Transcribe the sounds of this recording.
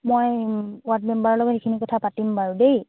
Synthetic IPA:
mojwatmɛmbaɹɔlɔɡɔthikʰinikɔtʰapatimbaɹudej

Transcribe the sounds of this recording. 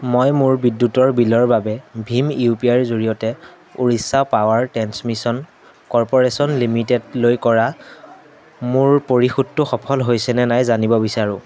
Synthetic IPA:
mojmʊɹbidːutɔɹbilɔɹbabɛbʱimiupiaɹzoɹijɔtɛ | uɹisːapawaɹtɹɛnsmisɔn | kɔɹpɔɹesɔnlimitedlojkɔɹa | mʊɹpoɹixudtʊxɔpʰɔlɦojsɛnɛnajzanibɔbisaɹʊ̃

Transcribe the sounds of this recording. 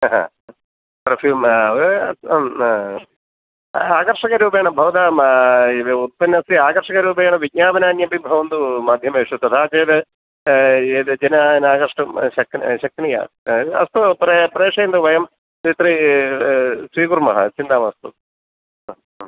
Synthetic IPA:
ɦɐ̰ | pɾɐfjuːmɐ | aːkɐɾʂɐkɐɾuːp̬eːɳɐbʱɐʋɐt̪aːm | ut̪̚pɐnːɐsiaːkɐɾʂɐkɐɾuːpeːɳɐʋiɡ̚ɲaːbɐnaːnjɐbibʱɐʋɐnd̪umaːd̪ʱjɐmeːʂut̪ɐt̪ʰaːt͡ʃeːd̪ɨ | eːd̪d͡ʒɐnaːnaːkɐɾʂʈumʃɐkʃɐk̪̚ɳija̰ː | ɐ̰st̪upɾepɾeːʂɐjɐnd̪uʋɐjɐm | t̪it̪ɾi | sɾiːkuɾmɐɦɐ̰t͡ʃind̪aːmɐst̪u

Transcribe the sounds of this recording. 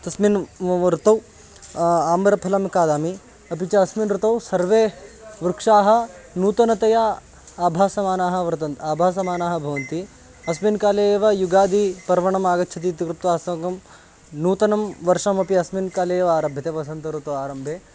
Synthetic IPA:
t̪ɐsminɾut̪ɐw | aːmɐɾɐpʰɐlɐmkaːd̪aːmi | ɐpit͡ʃɐɐsminɾut̪ɐwsɐɾʋeːʋɾukʂaːɦɐ̆nuːt̪ɐnɐt̪ɐja | aːbʱaːsɐmaːnaːɦɐ̆ʋɾt̪ɐnaːbʱaːs̬ɐmaːnaːɦɐ̆bʱɐʋɐnt̪i | ɐsminkaːleːʋɐjuɡaːd̪ipɐɾʋɐɳɐmaːɡɐtːt͡ʃʰɐt̪̬it̪ikɾɨp̚t̪ʋaːsɐŋɡɐm | nuːt̪ɐnɐmʋɐɾʂɐmɐpiɐsmiːnkaːleːjʋɐaːɾɐbʱjɐt̪eːʋɐsɐnt̪ɐɾut̪ɐwaːɾɐmbʱeː

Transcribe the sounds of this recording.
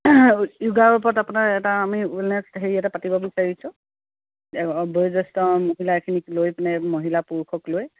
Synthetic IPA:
juɡaɹɔpɔɹɔtapunaɹɛtaːmiulnɛsɦeɹijatɛpatibɔbisaɹisʊ̃ | bɔjzɔstɔmoɦilaɛkʰiniklojpnɛmoɦilapuɹkʰɔkloj

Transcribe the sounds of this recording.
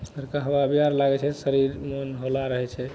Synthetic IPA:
əɾkaɦəwabijaɾlaɡɛt͡ʃʰɛsəɾiɾmonɦolaɾəɦɛt͡ʃʰɛ

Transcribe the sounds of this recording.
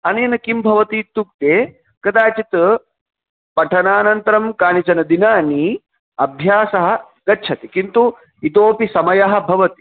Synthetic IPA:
ɐnɐjɐnɐkimbʱɐʋɐt̪it̪ːuk̚t̪eː | kɐd̪aːt͡ʃit̪ | pɐʈʰɐnaːnɐnt̪ɐɾɐmkaːnit͡ʃɐnɐd̪inaːni | ɐbʱjaːsɐɦɐ̆ | ɡɐtːt͡ʃʰɐt̪ikint̪u | it̪oːpisɐmɐjɐɦɐ̆bʱɐʋɐt̪i̥

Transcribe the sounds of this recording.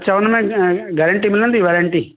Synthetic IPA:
t͡ʃɐʋɐnɐmeɡɐɾɐɳʈimilɐnd̪iʋɐɾɐɳʈi

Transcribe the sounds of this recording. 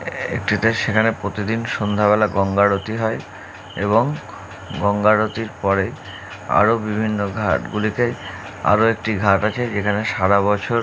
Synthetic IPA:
ḛkʈit̪eʃekʰanepɾot̪id̪inʃond̪ʱaβɛlaɡɔŋɡaɾot̪iɦɔe | eβoŋ | ɡɔŋɡaɾot̪iɾpɔɾe | a̰ɾobibʱinːoɡʱaʈɡulike | a̰ɾoekʈiɡʱaʈat͡ɕʰed͡ʑekʰaneʃaɾaβɔt͡ɕʰoɾ

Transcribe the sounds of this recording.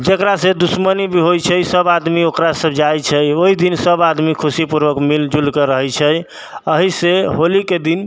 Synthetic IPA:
d͡ʒekɾasẽd̪usmənibʱiɦojt͡ʃʰəsəbad̪miokɾasəbʱd͡ʒajt͡ʃʰəjoɦid̪insəbad̪mikʰusipuɾbəkmild͡ʒulkeɾəɦɛt͡ʃʰəj | əɦiseɦoliked̪in

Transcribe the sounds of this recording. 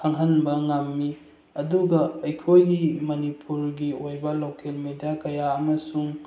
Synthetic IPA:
kʰaŋɦɐnbɐŋamːi | ɐduɡɐːjkʰojɡimɐnipʰuɾɡiojbɐlokelmedijakɐjaɐmɐsuŋ

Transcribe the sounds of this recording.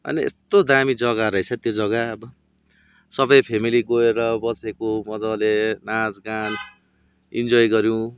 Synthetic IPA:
ʌ̰niḛst̪od̪amid͡zʌɡaɾʌjt͡sʰʌt̪jod͡zʌɡaʌbʌ | sʌbʌjpʰemiliɡoeɾʌbʌsekomʌd͡zʌlenad͡zɡan | ḭnd͡zʌjɡʌɾjũ

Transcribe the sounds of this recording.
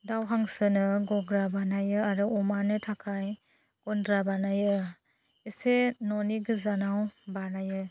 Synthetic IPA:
dawɦaŋsɯnɯɡɔɡɾabanajɯaɾɯɔmanɯtʰakʰaj | ɡ̥ɔndɾabanajɯ | isenɔniɡɯzanawbanajɯ

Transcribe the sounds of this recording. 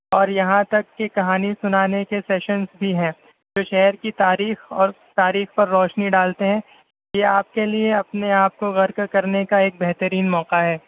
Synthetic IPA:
ɔːɾjɐɦãt̪ɐkːekɐɦaːnisʊnaːnekesɛːʃənsbʱiɦɛ̃ː | d͡ʒoːʃɛɦɾkit̪aːɾiːxɔːɾ | t̪aːɾiːxpɐɾːɔːʃniɖaːlt̪eɦɛ̃ː | jeaːp̚kelieɐpneaːp̚koɣɐɾkkɐɾnekaeːk̚bɛɦt̪əɾiːnmɔːqaɦɛː

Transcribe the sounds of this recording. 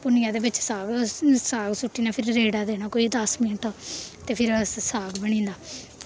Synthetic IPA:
pʊnijãːd̪eːbɪt͡ʃsaːɡsaːɡsʊʈːiːnaːpʰɪɾːeːɽaːd̪eːnaːkoːiːd̪əsmɪnʈʰaːt̪eːpʰɪɾsaːɡbəɽ̃ĩːnd̪aː

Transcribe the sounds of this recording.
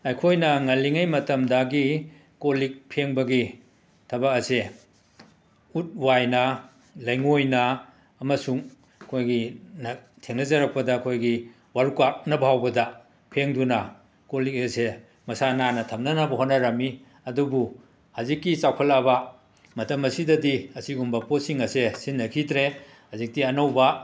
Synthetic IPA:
ɐjkʰojnɐŋɐliŋajmɐtɐmdɐɡi | kolik̚pʰeŋbɐɡi | tʰɐbɐk̚ɐse | ut̚wajnɐ | lɐjŋojnɐː | mɐsuŋ | kʰojɡinɐ | tʰeŋnɐzɐɾɐk̚pɐdɐkʰojɡi | waɾukak̚nɐbɐɦawbɐdɐ | kʰeŋdunɐ | kolik̚ese | mɐsananɐtʰɐmnɐnɐbɐɦotnːɐɾɐmi | ɐdubu | hɐzikːit͡ʃawkʰɐlabɐ | mɐtɐmɐsidɐdiɐsiɡumbɐpotsiŋɐsesinːɐkʰitɾe | hɐzik̚tiɐnɐwbɐ

